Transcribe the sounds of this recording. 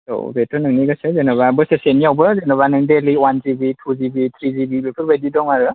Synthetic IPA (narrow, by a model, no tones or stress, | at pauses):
to̰betɔnɯŋniɡɯsezenɔβabɯseseniawbɯzenɔβanɯŋdeliwanzibitʰuzibit̪ʰɾizibibepʰɯɾbajdidɔŋaɾɯ